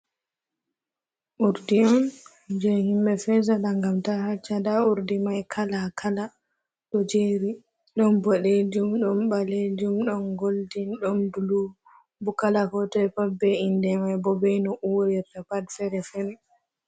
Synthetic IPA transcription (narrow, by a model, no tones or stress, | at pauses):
ʔuɾdiɔn | d͡ʒɛhimɓɛfɛzalaŋɡamtahat͡ʃːadauɾdimajkʰalakʰala | ɗɔd͡ʒeɾi | ɗɔnbɔɗed͡ʒumɗɔnɓaled͡ʒumɗɔnɡoldinɗɔndulu | bukalakɔtɔɛpabːɛindɛmajbɔbɛjnɔʔuwɾiɾtapadfɛɾɛfɛɾɛ